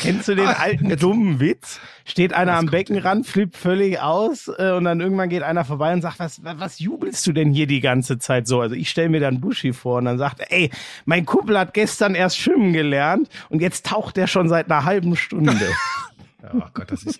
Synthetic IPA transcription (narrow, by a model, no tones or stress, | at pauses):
kʰɛnstd̥uːdeːnʔaltn̩dʊməmvɪt͡s | ʃteːtʔaɪnɐambɛkŋ̩ʁantfliːp̚tfœlɪçʔaʊsʔɛːʊntd̥anʔɪɐɡŋ̩tv̥anɡeːtʔaɪnɐfoːɐbaɪʊntzaːktvasvvasjuːbl̩st̚d̥uːdɛnhiːɐdiːɡant͡sət͡saɪtz̥oːʔalzoʔɪçʃtɛləmiːɐdanbʊʃifoːɐʊntd̥anzaːk̚teːɐʔɛɪmaɪnkʰʊmpl̩hat̚ɡ̥ɛstɐnʔeːɐstʃɪmənɡəlɛɐntʔʊntjɛt͡stʰːaʊxt̚d̥eːɐʃoːnzaɪtnɐɦalbm̩ʃtʊndə